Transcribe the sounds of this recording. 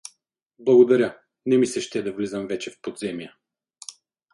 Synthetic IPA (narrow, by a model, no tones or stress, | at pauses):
blˠɐɡod̪ɐɾʲə | nɛmisɛʃt̪ɛd̪ɐvlizəmvɛt͡ʃɛfpod̪zɛmiə